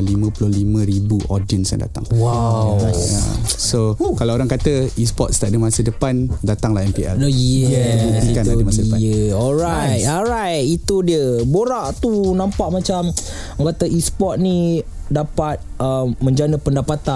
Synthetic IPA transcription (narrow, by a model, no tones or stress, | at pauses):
limə̃pulʊlimə̃ɾibuʔodiənsja̰ŋda̰t̪a̰ŋwawa̰sokalaoɾaŋkat̪əispɔt̪̚sə̥t̪aʔ̚dəmasədəpandat̪aŋlahɛmpiɛ̰ljjəəbut̪ikandəmasədəaəɔlɾajt̪̚ɔlɾajt̪̚it̪udiəboɾaʔt̪unãmpaʔmat͡ʃam | ŋkat̪əʔispɔt̪̚ni | dapat̪̚əmːə̃ɲd͡ʒanəpəndapat̪a